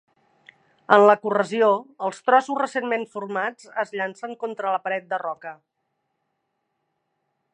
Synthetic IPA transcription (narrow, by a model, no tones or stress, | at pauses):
ənləkurəzioəlˠst̪ɾɔsuzrəsenmeɱfuɾmad͡zəzʎansəŋkont̪ɾələpəɾɛt̪̚d̪ərɔkə